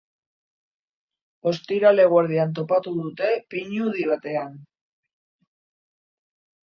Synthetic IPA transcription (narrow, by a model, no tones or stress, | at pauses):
o̞st̪iɾale̞ɣwaɾðiant̪̬o̞pat̪uðut̪e̞piɲuðiβ̞at̪e̞an